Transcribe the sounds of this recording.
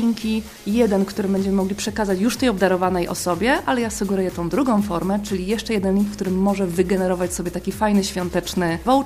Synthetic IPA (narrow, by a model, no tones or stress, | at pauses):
iŋkʲi | jɛd̪ɛnkt̪uɾɘmbɛɲd͡ʑɛmɘmɔɡlʲipʂɛkazat͡ɕjuʂft̪ɛjɔbd̪aɾɔvanɛjʔɔ̰sɔbʲjɛʔalɛjasɨɡɛɾujɛt̪ɔ̃w̃d̪ɾuɡɔ̃w̃fɔɾmɛt͡ʂɘlʲijɛʂt͡ʂɛjɛd̪ɛnlʲiŋkfkt̪uɾɘmːɔʐɛvɘɡɛnɛɾɔvat͡ɕsɔbʲjɛt̪akʲifajnɘɕfʲjɔnt̪ɛt͡ʂnɘvɔw